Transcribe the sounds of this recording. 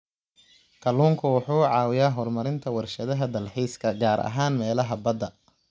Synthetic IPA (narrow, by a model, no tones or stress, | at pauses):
kʰɐluːŋkʰʊwʊħuːʕɑːwɪjaːɦɔrmɐɾɪnt̪ʰɐwɐrʃɐðɐɦɐd̪ɐlħiːskʰɐɡaːɾʔɐ̰ɦaːnmɛːlɐɦɐbɐd̪ɐ